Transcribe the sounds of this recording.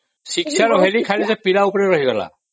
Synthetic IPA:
siksaɹɔɦelikʰajlɛsɛpilaupɔɹɛɹɔɦiɡɔla̰

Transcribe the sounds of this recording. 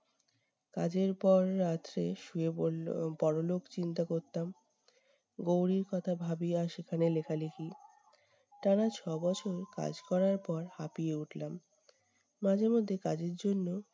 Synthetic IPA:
kad͡ʑeɾpɔɾːat̪ɾeʃueopɔɽolokt͡ɕint̪akoɾt̪am | ɡowɾiɾkɔt̪ʰabʱabiaʃekʰanelekʰalekʰi | ʈanat͡ɕʰɔbɔt͡ɕʰoɾka̰d͡ʑkɔɾaɾpɔɾhapieuʈlamː | ad͡ʑeɾmod̪ʱːekad͡ʑeɾd͡ʑonːo

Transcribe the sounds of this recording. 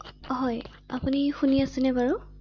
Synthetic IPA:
ɦɔj | a̰punixuniasɛnɛbaɹu

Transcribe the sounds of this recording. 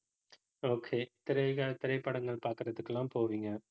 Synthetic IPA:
oːkʰeːt̪ɪɾɐɪɣɐɭt̪ɪɾɐɪpːɐɽɐŋɡɐɭpaːɾkɪɾɐðɯkːɐlaːmpoːʋiːŋɡɐ

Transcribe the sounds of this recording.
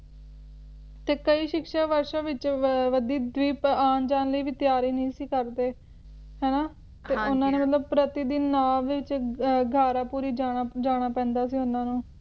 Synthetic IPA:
t̪eːkəiːʃɪkʃaːʋəɾʃãːʋɪt͡ʃʋəd̪iːd̪ʋiːpaːnd͡ʒaːnləiːʋɪt̪ɪjaːɾiːnəĩːsiːkəɾd̪eː | ɦɛːnaː | t̪eʊnãːneːmət̪ləb̚pɾət̪ɪːd̪inːaːʋɪt͡ʃɡʱaːɾãːpuːɾiːd͡ʒaːad͡ʒaːɽ̃aːpɛ̃ːnd̪aːsiːʊnãːnũː

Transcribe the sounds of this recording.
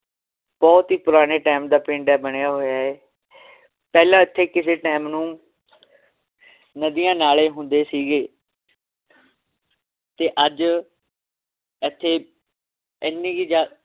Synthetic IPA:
b̥ɔːt̪ɦiːpʊɾaːneːʈaːmd̪aːpɪ̃ːɳɖɛːbəɳejaːɦoːjaːeː | pɛːlãːɪt̪ʰːeːkɪseːʈeːmnũː | nəd̪ɪjãːnaːleːɦʊnd̪eːsiːɡeː | t̪eːʔəd͡ʒ | ət̪ʰːeː | ɪnːĩːɡiːd͡ʒaː

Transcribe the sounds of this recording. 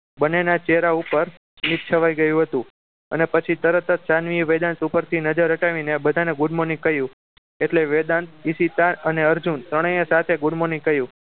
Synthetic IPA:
bənenat͡ʃeɦɾaupəɾ | mit̪̚t͡ʃʰəʋajɡəjũɦət̪ũ | ə̰nepət͡ʃʰit̪əɾət̪ət̪sanʋiʋed̪ant̪upəɾt̪ʰinəd͡ʒəɾəʈaʋinebəd̪ʱaneɡʊɽmonikəjũ | eʈleʋed̪ant̪isit̪aəneəɾd͡ʒunt̪ɾəɽ̃ə̃jə̃sat̪ʰeɡʊɽmonikəjũ

